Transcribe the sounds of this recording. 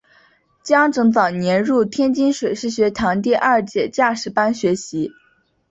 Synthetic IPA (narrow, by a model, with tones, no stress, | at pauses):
t͡ɕjɑ˥ŋʈ͡ʂɤ˧˥ŋt͡sɑ˨˩ʊnjɛ˧˥nɻu˥˩t̪ʰjɛ˥nt͡ɕi˥nʂwe˨˩ɪʂɻ̩˥˩ɕɥɛ˧˥t̪ʰɑ˧˥ŋt̪̬i˥˧ʔɐ˞˥˩˧t͡ɕjɛ˨˩t͡ɕja˥˩ʂɻ̩˧˥pa˥nɕɥɛ˧˥ɕi˧˥